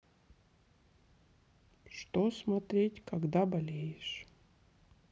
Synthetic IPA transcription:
ʂt̪osmɐt̪ɾʲetʲkaɡd̪abɐlʲejɪʂ

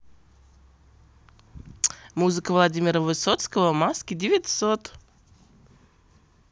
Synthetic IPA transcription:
muzɨkəvlˠadʲimʲɪɾəvɨsot̪skəvəmaskʲɪdʲɪvʲɪtʲsot̪

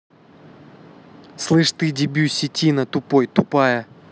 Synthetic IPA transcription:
slˠɨʂt̪ɨdʲɪbʲusʲːɪtʲinət̪ʊpo̞jt̪ʊpajə

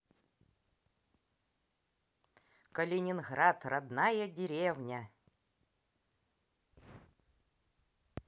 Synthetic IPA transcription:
kəlʲɪnʲɪnɣɾat̪rɐd̪najədʲɪɾʲevnʲə

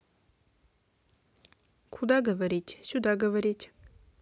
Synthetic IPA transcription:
kʰʊd̪aɡəvɐɾʲit̪ʲsʲud̪aɡəvɐɾʲitʲ

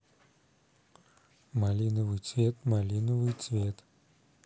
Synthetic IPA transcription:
malʲinəvɨjt̪svʲet̪malʲinəvɨjt̪svʲet̪

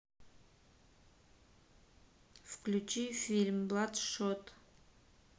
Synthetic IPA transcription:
fklʲut͡ʃifʲilʲmblˠat̪ʂot̪

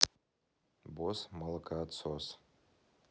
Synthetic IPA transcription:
bosmalakʰʼat͡sʰos

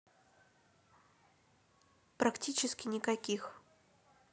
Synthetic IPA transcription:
pɾɐktʲit͡ɕɪskʲɪnʲɪkɐkʲix

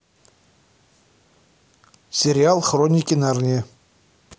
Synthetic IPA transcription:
sʲeɾʲialˠχronʲikʲinɑrnʲe

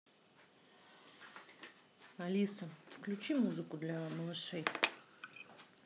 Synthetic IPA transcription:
ɐlʲisəfklʲʉt͡ɕimuzɨkʊd̪lʲɐməlˠɨʂej

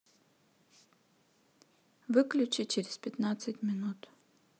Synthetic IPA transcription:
vɨklʲʊt͡ɕɪt͡ɕeɾʲɪspʲɪt̪nat̪sɨtʲmʲɪnut̪

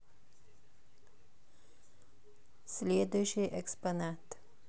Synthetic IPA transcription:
sleːd̪əʃəʔɛkspanɑːt̪

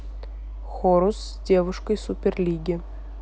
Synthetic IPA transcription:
xoɾos | dʲevɨʂkəjsupʲerlʲiɡʲɪ

